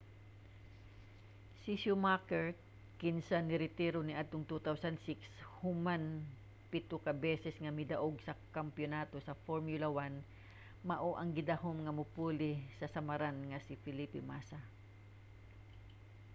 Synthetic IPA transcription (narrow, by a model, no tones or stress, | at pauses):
sisʊmakɛɹ | kɪnsanɪɾɪt̪iɾonɪʔad̪̚t̪ʊŋt̪ut̪awsɐnd̪sɪkshʊman | pɪt̪ʊkɐbɛsɛsŋɐmɪd̪aʔoɡsɐkɐmpjonaːt̪osɐfoɹmjʊlawan | mɐʔoʔɐŋɡɪd̪aɦomŋɐmʊpuːlɪsɐsɐmɐɾanŋɐsɪfɪlipɪmasa